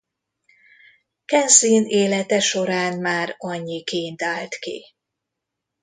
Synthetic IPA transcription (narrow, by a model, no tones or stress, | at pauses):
kɛnsiːneːlɛt̪ɛʃo̞ɾaːnmaːɾɒɲːikeːnt̪aːlt̪kḭ